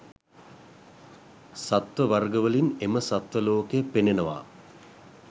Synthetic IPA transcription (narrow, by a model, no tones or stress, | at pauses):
sat̪ʋəʋarɡəʋəlineməsat̪ʋəloːkejəpenenəʋa̰